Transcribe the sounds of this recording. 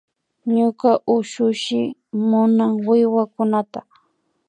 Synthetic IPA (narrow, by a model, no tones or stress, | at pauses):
ɲʊkaʔʊʃʊʃɪmʊnaŋwɪwakʊnat̪a